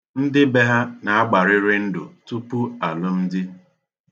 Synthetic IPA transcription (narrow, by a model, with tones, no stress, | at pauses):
n̩˦dɪ˦be˦ɦa˦na˨a˦ɡ͡ba˨ɾɪ˦ɾɪ˦n̩˦dʊ̰˨tu˦pu˦a˨lʊ˦n̩˦dɪ˦